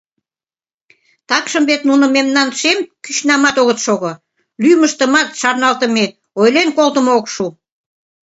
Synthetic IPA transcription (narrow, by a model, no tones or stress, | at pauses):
t̪ɑkʃəmbet̪̚nunə̆memnɑnʃemkyɕnɑmɑt̪oɣət̪ʃoɣo | lyjməʃt̪əmɑt̪ʃɑrnɑlt̪ə̆me | ojlenkolt̪əməokʃu